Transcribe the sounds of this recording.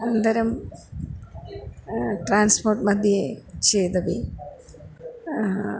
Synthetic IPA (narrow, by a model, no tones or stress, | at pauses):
ɐnd̪ɐɾɐm | ʈraːnsporʈmɐd̪ʱjɐet͡ɕejd̪ɐʋi